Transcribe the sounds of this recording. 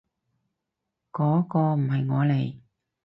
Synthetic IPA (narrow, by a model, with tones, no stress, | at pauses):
kɔː˨˥kɔː˧m̩˨˩hɐ˨˩jŋɔː˨˧le˨˩j